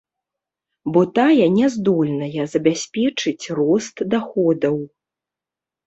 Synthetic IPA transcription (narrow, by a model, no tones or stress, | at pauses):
bɔt̪ajɐnʲɛzd̪ɔlʲnɐjɐzɐbʲasʲpʲɛt͡ʂɨt͡sʲrɔst̪d̪axɔd̪ɐw